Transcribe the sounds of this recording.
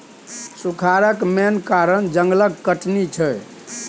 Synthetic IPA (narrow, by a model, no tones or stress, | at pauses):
sukʰaɾəkmenkaɾənd͡ʒəŋɡləɡkəʈnit͡ʃʰəj